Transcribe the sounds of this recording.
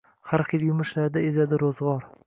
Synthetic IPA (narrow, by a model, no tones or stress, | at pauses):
haɾχeljʊmʊʃlaɾd̪aɪzad̪ɪɾozʁɒɾ